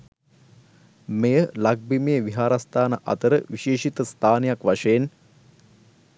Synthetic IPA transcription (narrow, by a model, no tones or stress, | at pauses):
mejəlaɡ̚bimejːʋiɦaːɾast̪ʰaːnəʔɐ̰t̪əɾəʋiʃeːʃit̪əst̪ʰaːnejakʋaʂəjen